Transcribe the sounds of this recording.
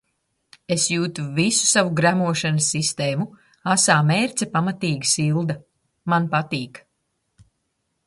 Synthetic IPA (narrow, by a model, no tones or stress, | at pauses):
esjuːt̪uvisu̥savuɡɾæmuɔʃanɐsːist̪eːmu | asaːmeːɾt̪sʲɛpamat̪iːɡisilˠd̪ɐ | manpat̪iːk